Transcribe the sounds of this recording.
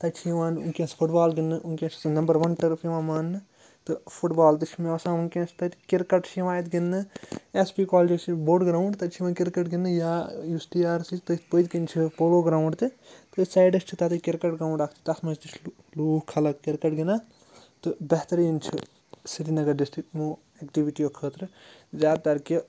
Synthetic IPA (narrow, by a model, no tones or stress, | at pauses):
t̪ɐt͡ʃʰiʋaːnṵnkʲẽːspʰuʈbaːlɡɪnːɨʔunkʲẽt͡ʃʰi̥snɐmbɐɾʋɐnʈɐɾɐpʰiʋãːmɐnːɨ | t̪ɨpʰuʈbaːlt̪̬ɨt͡ʃʰimeɐsãːunkʲẽːt͡ʃʰt̪ɐt̪kɪɾkɐʈt͡ʃʰiʋaːjt̪ɡinːɨespiːkoːld͡ʒɐt͡ʃʰiboːɖɡɾauɳɖt̪ɐt͡ʃʰiʋɐnkɪɾkɐʈɡɪnːɨjaːjusʈiaːɾsit̪ɐt̪pojt̪kint͡ʃʰipoloɡɾaːw̃ɳɖt̪it̪ɨsajɖɐst͡ʃʰit̪at̪ɨkiɾkɐʈɡɾawɳɖakʰt͡ʃʰi̥t̪ɐsmɐd͡ʒt̪it͡ʃʰ | luːhkʰːɐlɐkkiɾkɐʈɡina | t̪ɨbeɦt̪ɐɾjint͡ʃʰi | siɾinɐɡɐɾd̪isʈɾiʈmu | ekʈibiʈijokʰəːt̪ɾɨzaːd̪t̪ɐɾki